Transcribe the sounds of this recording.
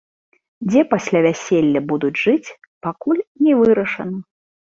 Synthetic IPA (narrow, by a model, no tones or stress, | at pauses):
d͡zʲɛpasʲlʲavʲæsʲelʲːɐbud̪ud͡zʲʐɨt͡sʲ | pakulʲnʲɛvɨɾɐʂɐ̰nɐ